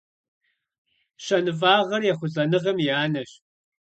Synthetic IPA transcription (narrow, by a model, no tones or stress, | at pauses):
ɕɐnɨvaːʁɐrjɛχʷʊzɐnɨʁɐmjaːnɐɕ